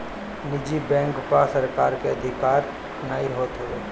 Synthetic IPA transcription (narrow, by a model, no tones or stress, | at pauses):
nɪd͡ʒibɛ̃ːŋkpasɐɾkaːɾkeɐd̪ʱɪkaːɾ | naːiɦoːt̪ɦɦeː